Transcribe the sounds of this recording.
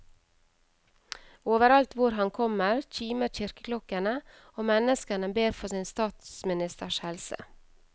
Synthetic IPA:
oːʋəɾɑlt̪ʋʊɾɦɑnkʰɔməɾc͡çiːməɾçɪɾkəklɔkənə | oːmɛnəskənəbeːɾfɔsɪnst̪ɑːt̪smɪnɪst̪əʃhɛlsə̰

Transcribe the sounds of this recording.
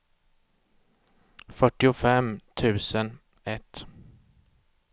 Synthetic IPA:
fœʈːɪʊfɛmt̪ʰʉ̟ːsən | ɛt̪

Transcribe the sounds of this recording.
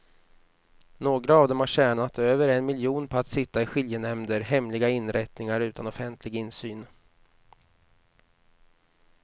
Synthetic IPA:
noːɡɾaɑːvd̪ɔmhaʂɕæːɳat̪øːvəɾɛnmɪljuːnpʰɔat̪sɪt̪ːaɪɧɪljənɛmd̪əɾɦɛmlɪɡaɪnɾɛt̪nɪŋaɾʉ̟ːt̪anɔfɛnt̪ʰlɪɡɪnːsyːn

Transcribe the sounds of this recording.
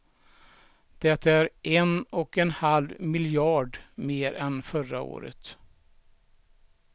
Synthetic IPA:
d̪̥ɛt̪ʰːaæɾʔɛnɔkɛnhalvmɪljɑːɖmeːɾɛnfœɾao̰ːɾə̰t̪

